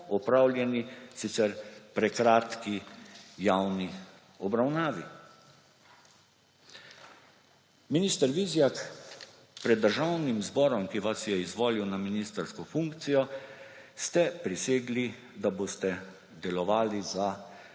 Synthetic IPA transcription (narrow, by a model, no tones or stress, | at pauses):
ɔpɾawljɛnisit̪sɛɾpɾɛkɾaːt̪kijawni | ɔbɾawnaːʋi | minist̪əɾʋizjak | pɾɛd̪ːəɾʒawnimzbɔːɾɔmkiʋasjɛizʋoːliwnaminist̪əɾskɔfuŋkt̪sijɔ | st̪ɛpɾiseːɡli | d̪aboːst̪ɛ | d̪ɛlɔʋaːliza